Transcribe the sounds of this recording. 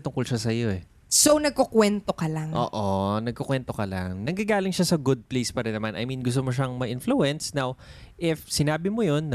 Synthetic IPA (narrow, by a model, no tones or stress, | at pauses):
t̪ʊŋkolʃasɐjo̞ɛ | sonɐɡ̚kokwɛnt̪okɐlaŋʔo̰ːʔonɐɡ̚kokwɛnt̪o̞kɐla̰ŋnɐɡɐɡaːlɪŋʃasɐɡʊd̪̚plejspɐɾɛnːɐmanʔɐ̰jminɡʊs̬t̪omoʃ̬aŋmɐʔɪnfluɛnsnawʔɪfsɪnaːbɪmojo̞nːɐ